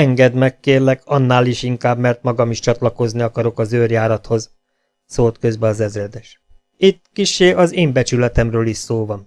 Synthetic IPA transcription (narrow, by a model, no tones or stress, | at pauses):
ɛŋɡɛd̪mɛkːeːrlɛkʰɒnːaːliʃiŋkaːbmɛrt̪mɒɡɒmiʃt͡ʃɒt̪lɒko̞zniɒkɒɾo̞kɒzøːrjaːɾɒt̪ho̞z | soːlt̪kø̞zbɛɒzɛzrɛd̪ɛʃ | it̪ːkiʃːeːɒzeːmbɛt͡ʃylɛt̪ɛmrøːliʃsoːvɒn